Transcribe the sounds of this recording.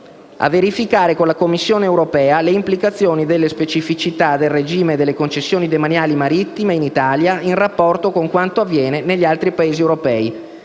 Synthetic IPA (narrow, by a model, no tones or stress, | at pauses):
a̰vːeɾifikaːɾekonlakomːisːjoːneːwɾopɛːaleimplikat̪sːjoːnid̪elːespet͡ʃifit͡ʃit̪ad̪elred͡ʒiːmed̪ːelːekont͡ʃesːjoːnid̪emanjaːlimaɾit̪ːimeinit̪aːljainrapːɔrt̪okoŋkwant̪oavːjɛːneneʎːialt̪ɾipaeːziewɾopɛːi